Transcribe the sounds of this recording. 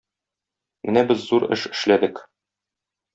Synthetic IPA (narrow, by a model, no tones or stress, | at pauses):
mʔɘnæbɘzːuɾɘ̰ʃɘ̥̆ʃlæd̪ɘk